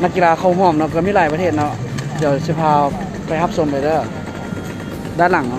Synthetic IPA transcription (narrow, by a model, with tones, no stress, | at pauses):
na˧˥kːi˧laː˧kʰa˧˩wɦuː˧˩˨mnɔ˧˨kaː˧˩miː˧˥˨aː˨˩jpa˧t̪ʰeː˧˩t̪̚nɔ˧˥ʔt͡ɕa˧˩si˧˩pʰaː˧ | pʰa˧˩jɦa˧˥p̚so˨˧˦mba˨˩dɤ˧˩ | daː˧˥˨nla˨˩ŋnɔ˧˨